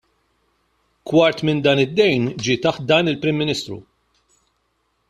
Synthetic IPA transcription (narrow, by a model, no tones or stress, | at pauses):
kwɐɾt̪mɪnd̪ɐːnɪd̪ːɛjnd͡ʒɪt̪ɐħt̪̚d̪ɐːnɪlpɾɪmːɪnɪːst̪ɾṵ